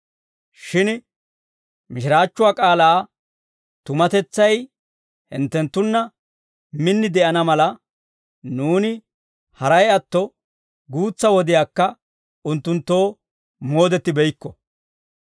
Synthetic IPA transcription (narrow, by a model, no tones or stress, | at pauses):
ʃɪn | mɪʃɪɾaːt͡ʃːʊwaːkʼaːlaː | t̪ʊmɐt̪ɛt͡sːɐj | hɪ̰nt̪ːɛnt̪ːʊnːɐ | mɪnːɪd̪ɛʔɐnɐmɐlɐ | nuːnɪ | hɐɾɐjɐt̪ːɔ | ɡuːt͡sːɐwɔd̪ɪjaːkːɐ | ʊnt̪ːʊnt̪ːo̞ː | mo̞ːd̪ɛt̪ːɪbɛjkːɔ